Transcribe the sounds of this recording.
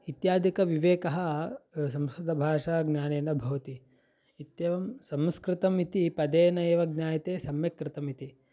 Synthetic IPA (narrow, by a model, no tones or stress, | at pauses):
it̪jaːd̪ʱikɐʋiʋeːkɐɦɐs̬ɐmsɐd̪ʱɐbʱaːʂaːɡnʲaːneːnɐbʱɐʋɐt̪iː | t̪jeːʋɐmsɐmskɾɪt̪ɐmit̪ipɐd̪eːnɐeːʋɐɡ̚nʲaːjɐt̪eːsɐmjɐkɾɪt̪ɐmit̪i